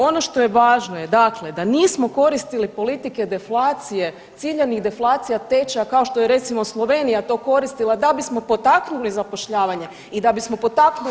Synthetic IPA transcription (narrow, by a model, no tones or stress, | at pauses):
o̞no̞ʃt̪o̞je̞ʋaːʒnoje̞d̪akled̪aniːsmo̞ko̞ɾist̪ilipo̞lit̪ike̞d̪e̞flˠaːt̪sije̞ | t̪siʎeniɣd̪e̞flˠaːt̪sijat̪e̞t͡ʃakao̞ʃt̪o̞jeɾe̞t̪simo̞slˠo̞ʋe̞ːnijat̪o̞ːko̞ɾist̪ilˠad̪abismo̞po̞t̪aknulizapoʃʎaːʋaɲe̞ | id̪abismo̞po̞t̪aknu